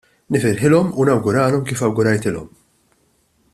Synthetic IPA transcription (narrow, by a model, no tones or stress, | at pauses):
nɪfɪɾħɪlɔmunɐwɡʊɾɐːlɔmkiːfɐwɡʊɾɐjt̪ɪlɔ̰m